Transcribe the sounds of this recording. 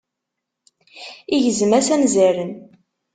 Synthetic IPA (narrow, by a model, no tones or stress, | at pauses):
iʝəzəmæsænzæɾən